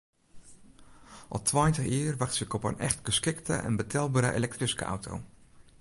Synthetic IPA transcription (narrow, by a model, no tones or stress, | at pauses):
ʔɔtʰʋajntəχiərʋaxtsɪkɔpə̰nɛ̰χtɡ̥əskɪktə̰ʔɛ̰nbətʰɛlˠbaːɾə̰ʔḛlɛk̚triskə̰ʔa̰wtʰo̰w